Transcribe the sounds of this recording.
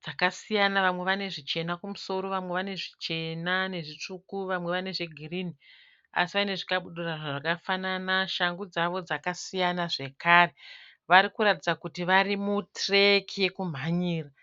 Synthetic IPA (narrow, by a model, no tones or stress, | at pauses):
d͡zakasijanaʋamwe̞ʋane̞ʐit͡ʃe̞nakumuso̞ɾo̞ʋamwe̞ʋane̞ʐit͡ʃe̞nane̞ʐit͡ʂukuʋamwe̞ʋane̞ʐe̞ɡʱirini | a̰siʋaine̞ʐikaɓuɗuraʐaʐakafananaʃaŋɡud͡zaʋo̞d͡zakasijanaʐe̞kaːre̞ | ʋaɾikuɾatid͡zakutiʋarimutrekʰije̞kum̤aɲiːra